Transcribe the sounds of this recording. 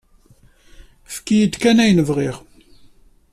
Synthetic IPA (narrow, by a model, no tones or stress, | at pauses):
fkːijəd̪kænæjnəvʁɪʁ